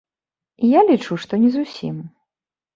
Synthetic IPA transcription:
ijalʲit͡ʂuʂt̪ɔnʲɛzusʲḭm

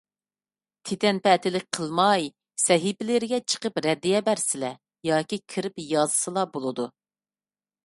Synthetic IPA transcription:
t̪ʰet̪ʰɛnpɛt̪ʰɪlɪk̚ʲqʰəlˠmɑj | sɛɦipɪlɪɾɪɡʲɛt͡ʃʰə̥qəpɾɛd̪ːijɛbæɾsɪlɛ | jɑːkʲikʲʰiɾɪpjɑzɨsɨlˠɑbolˠɨd̪u

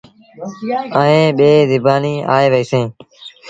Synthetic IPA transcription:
əẽːɓeːd̪ɪbaːniːa̰ːeːʋəiːsẽː

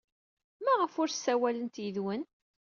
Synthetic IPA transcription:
mæʁəfʊɾsːæwælənt̪jəðwən

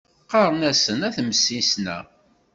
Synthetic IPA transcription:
qɑɾˤənæsənæθməsːisnæ̰

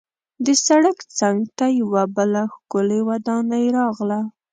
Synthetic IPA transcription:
d̪əsaɽakt͡saŋɡt̪ajawabəlaxkʊlewad̪ɑnajeɾɑɣla

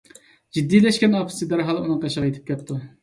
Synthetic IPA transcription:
d͡ʒid̪ːilɛʃkʲɛnopʰsid̪æɾɦɑlˠɨunɨŋq̪ʰɑʃʁɑjet̪ʰɪ̥p̚kʲɛt̪ʰːu

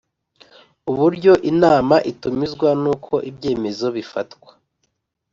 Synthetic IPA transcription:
uβuɾɟo̞ʔinaːmaʔitumizɡwanuːkʰo̞ʔibɟe̞ːme̞zo̞βifatkwḁ

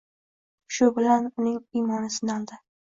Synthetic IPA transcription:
ʃʊbɪlanʊnɪŋijmɒnɪsɪnɒlˠd̪ɪ

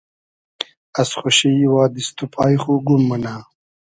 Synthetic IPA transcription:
ɐsχoɕiwaːd̪ist̪upʰaːjχuːɡumːɐnaː

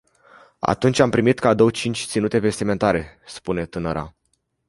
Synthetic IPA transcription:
a̰t̪unt͡ʃʲampɾimit̪kad̪o̞wət͡ʃint͡ʃʲt̪sinut̪e̞ve̞st̪ime̞nt̪aɾe̞spune̞t̪ɨnəɾa̰

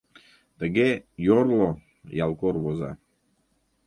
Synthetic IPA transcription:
t̪əɡejorlo | jɑlˠkorβoza̰

